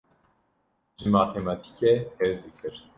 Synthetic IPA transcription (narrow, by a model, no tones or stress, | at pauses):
ʒɨmaːt̪ʰemɑt̪ʰi̥kʰehezd̪ɨkʰɨɾ